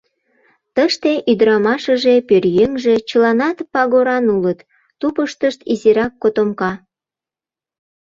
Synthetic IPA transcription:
t̪əʃt̪eʔyd̪ɾɑmɑʃəʒepørjøŋʒe̽t͡ɕəlɑnɑt̪pɑɣoɾɑnulət̪ː | upəʃt̪əʃt̪iziɾɑkːot̪omkɑ

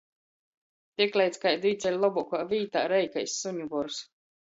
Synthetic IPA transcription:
t̪ʲiɛklʲˠɛjt̪skajd̪iːt̪sʲɛlʲlˠɔbukaːviːt̪a̰ːɾɛjkajsːuɲubɔɾs

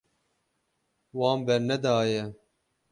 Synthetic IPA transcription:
wɑːmbɛɾnɛd̪ɑːjɛ

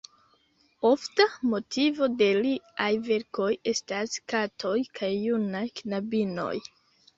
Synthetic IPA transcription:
o̞ftamo̞tivo̞de̞liajve̞ɾko̞je̞staskatʰo̞jkʰajːunajknabino̞̰j

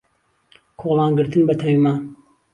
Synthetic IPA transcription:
kʰoːlˠɑːnɡɨɾt̪ʰɨnbɐt̪ʰɐwimaːn

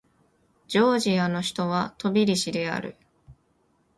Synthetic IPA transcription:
d͡ʑo̞ːʑiano̞çi̥t̪o̞β̞at̪o̞bʲiɾʲiɕid̪e̞a̰ɾɯ̟̰

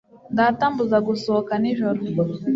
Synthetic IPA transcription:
nɡatambuzaɡusokaniʒoɾ

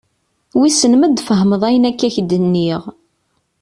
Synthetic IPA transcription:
wisənməd̪fəɦəməðˤæjənækːæçd̪ənːiʁ

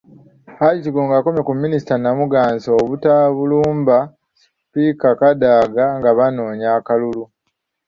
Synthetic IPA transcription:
ajitiɡoːŋɡaːko̞mjekumːinisi̥tanamuɡaːnzoːβutaβuluːmba | s | pikakadaːɡaŋɡaβano̞ːɲaːkalulu

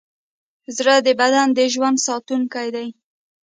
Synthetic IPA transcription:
zɾəd̪əbad̪and̪əʒwand̪sɑt̪unkajd̪aj

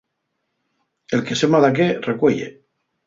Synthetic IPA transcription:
elkesemaðakerekweʎḛ

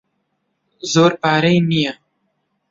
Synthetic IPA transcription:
zoːɾpɑːɾəjnija

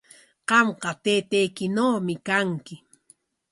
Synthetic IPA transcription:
qɑmqɑt̪eːt̪ejkɪnowmɪkaŋkɪ

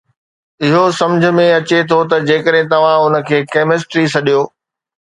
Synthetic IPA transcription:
ɪɦosɐ̃md͡ʑʱə̆mẽɐt͡ɕet̪ʰot̪ɐd͡ʑeːkəɗɦẽt̪ɐʋ̤ãʊnə̆kʰeːkeːmɪs̬ʈɾisɐɗijoː

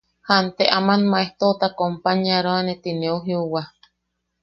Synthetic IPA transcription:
hant̪eʔamanmaeht̪ot̪akompaɲaɾoanet̪ineuɦiuwa

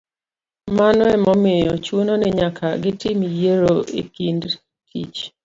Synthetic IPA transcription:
manwɛmɔmɪjɔt͡ʃwononɛɲakʰaɡɪtɪmjeɾoʔḛkind | kʰḭt͡ʃ

